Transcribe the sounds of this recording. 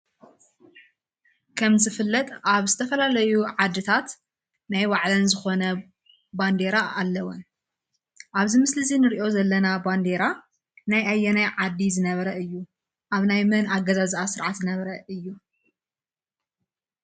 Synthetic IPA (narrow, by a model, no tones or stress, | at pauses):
kʰɐmzɨfɨlːɐt̪ʼaβzɨt̪ʰɐfɐlalɐjuʕad̪ːɨt̪ʰat̪ | najwaʕlɐnzɨxo̞nɐ | band̪eɾaʔalːɐwon | ʔaβzimɨslɨzinɨɾiʔo̞zɐlːɐnaband̪eɾa | najajːɛnajʕad̪ːizɨnɐβɐɾɐɨjːu | ʔaβnajmɐnaɡɐzaziʔasɨɾʕat̪zɨnɐβɾɐɨjːu